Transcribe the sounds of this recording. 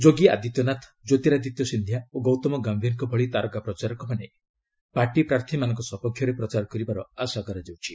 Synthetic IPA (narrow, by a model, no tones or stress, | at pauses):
d͡ʒoɡia̰d̪it̪jɔnat̪ʰd͡ʒot̪iɾad̪it̪jɔsind̪ʱjaoɡɔwt̪ɔmɔɡambʱjiŋkɔbʱɔɭit̪aɾɔɡapɾɔt͡ʃaɾɔkɔpane | paɾʈipɾaɾt̪ʰimanɔŋkɔsɔpɔkʰːjɔɾepɾɔt͡ʃaɾɔkɔɾibaɾɔasaɡɔɾad͡ʒewt͡ʃʰi